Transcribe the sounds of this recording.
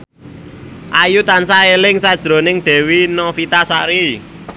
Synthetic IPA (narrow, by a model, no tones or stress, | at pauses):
ʔajut̪ansaelɪŋsad̥ʒ̥ɾo̤nɪŋd̪̥ɛ̤winɔfit̪asaʔɾi